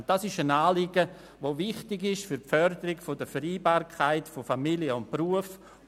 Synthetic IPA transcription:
d̥asɪʃənaːlɪɡə | ʋoːvɪχtɪɡɪʃfyɾpfœɾdəɾɪkfodəfəɾiːbaːɾkʰaɪtfofamiljəʊntpruəf

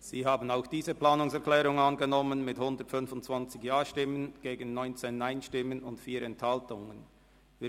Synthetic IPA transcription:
z̥iːɦaːbən̩aʊxd̥iːzəplaːnʊŋsɛɐklɛːɾʁʊŋɑnɡənɔmənmɪthʊndətfʏnfʊntt͡sv̥ɑnt͡sɪçjaːʃtɪmənɡ̥eːɡən̩ːɔʏnt͡seːnːaɪnʃtɪmənʊntfiːɾɛnthaltʊŋən | viː

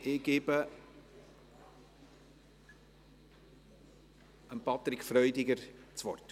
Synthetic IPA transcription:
ɪɡ̥eːbə | əmpɑt̪ɾɪkfɾrœʏdɪɡəɾt͡svɔ̰rt

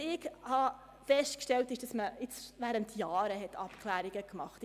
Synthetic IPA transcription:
ɪɡhɑ | fɛstkʃtɛltɪʃd̥ɑsməɪt͡svæːɾəntjɑːɾəɦɛtʰɑpkʰlæːɾiɡəkmɑχt

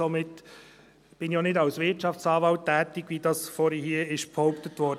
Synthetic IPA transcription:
omɪtː | b̥ɪnjoːnɪdɑʊsvɪtt͡ʃɑft͡sɑːvɑʊtːɛːt̪ɪɡ̥vidɑsfɔɾəhiːɪʃphɔʊptətvɔɾd

